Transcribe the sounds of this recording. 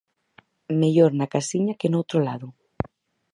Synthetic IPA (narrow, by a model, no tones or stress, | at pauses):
meʎoɾnakasiɲɐkenowt̪ɾolaðʊ